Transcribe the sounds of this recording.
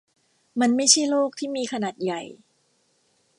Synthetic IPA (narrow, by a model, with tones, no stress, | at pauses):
ma˧nma˥˩jt͡ɕʰa˥˩jloː˥˩k̚t̪ʰiː˥˩miː˧kʰa˧naː˨˩t̪̚ja˨˩j